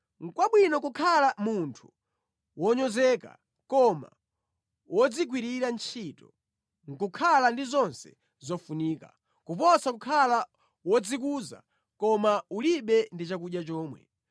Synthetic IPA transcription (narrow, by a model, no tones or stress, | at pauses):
ŋ̩kwaɓwinɔk̬ukʰalamuntʰu̥ | wɔɲɔzɛːka̰ | kɔma̰ | wɔd͡zik̬wiɾiɾant͡ʃʰitɔ | ŋ̩kukʰalandizɔnsɛ̥̰ | zɔfuniːka̰ | kupɔsakukʰala | wɔd͡zik̬uza̰ | kɔmauliɓɛndit͡ʃakuɗjat͡ʃɔːmwɛ̰